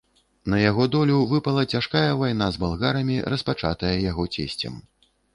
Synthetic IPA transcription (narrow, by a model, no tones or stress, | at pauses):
nɐjaɣɔd̪ɔlʲuvɨpɐlˠɐt͡sʲaʂkajɐvajn̪azbalˠɣaɾɐmʲirɐspat͡ʂa̰t̪ɐjɐjaɣɔt͡sʲḛsʲt͡sʲɐ̰m